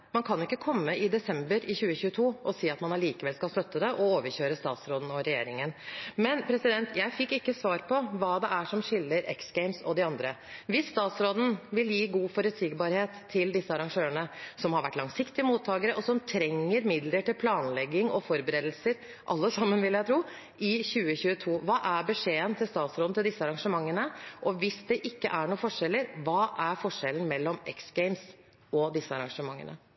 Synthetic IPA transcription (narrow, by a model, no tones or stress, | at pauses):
mɑnkʰɑnɪkːəkʰɔmːəɪd̪ɛsɛmbəɾɪçʉːəçʉːət̪ʰuːʔɔsiːɑt̪mɑnɑliːkəʋɛlskɑlst̪œt̪ːəd̪ɛʔɔoːʋəɾçøːɾəst̪ɑ̰ːt̪sɾoːd̪n̩ɔɾɛjeːɾɪŋənmɛnpʰɾɛsɪd̪ɛnt̪ʰjæɪfɪkːɪkːəsʋɑːɾpʰɔʋɑːd̪ɛʔæʂɔmʂɪlːəɾɛ̰ksɡ̥ɛɪmsɔd̪ɪɑnd̪ɾəʋɪsːt̪ɑːt̪sɾoːd̪n̩ʋɪljiːɡuːfɔɾʉt̪siːɡbɑːɾheːt̪ʰːɪld̪ɪsːəɑɾɑŋʂøːəɳəsɔmhɑɾʋæʈːlɑŋsɪkt̪ɪəmuːt̪ʰːɑːɡəɾəʔɔsɔmt̪ʰɾɛŋːəɾmɪd̪ləʈɪlpʰlɑːnlɛɡːɪŋɔfɔɾbəɾeːd̪l̩səɾ | ʔɑlːəsɑmːənʋɪljæɪt̪ʰɾuː | ɪçʉːəçʉːət̪ʰuːʋɑːʔæɾbəʂeːənt̪ʰɪlst̪ɑːt̪sɾoːd̪n̩ɪld̪ɪsːəɑɾɑŋʂəmɑŋːənəʔɔʋɪsd̪ɛʔɪkːə̰ʔæɳuːfɔʂɛlːəɾʋɑːʔæɾfɔʂɛlən̩mɛlːɔmɛksɡ̥ɛɪms | ɔd̪ɪsːəɑ̰ɾɑŋʂəmɑŋːə̰nə̰